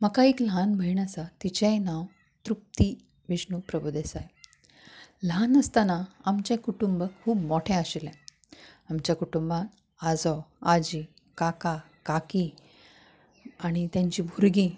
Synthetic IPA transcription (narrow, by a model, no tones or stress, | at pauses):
məkaikl̤anbʱəiɳasat̪it͡ɕɛ̃jnaw | t̪ɾup̚t̪i | ʋiɕɳupɾəbud̪esaj | lanəst̪anaamt͡ɕẽkuʈumbəkkʰuːbmɔʈʰɛ̃aɕilɛ̃ | amt͡ɕjakuʈumbãn | ad͡zɔad͡ʑi | kaka | kaki | aɽ̃it̪jãɲt͡ɕibʱuɾɡi